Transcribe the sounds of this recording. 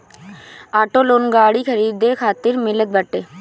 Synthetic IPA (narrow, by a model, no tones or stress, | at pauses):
aːʈoːloːnɡaːɽiːkʰəɾiːd̪eːkʰaːt̪ɪɾmɪlət̪̚bəʈːeː